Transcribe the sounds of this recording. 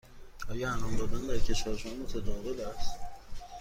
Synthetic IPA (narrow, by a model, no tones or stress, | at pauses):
ʔɒːjæænɒmd̪ɒːd̪ænd̪æɾcʰe̞ʃvæːɾeʃunmot̪ʰæd̪ɒːvelæst̪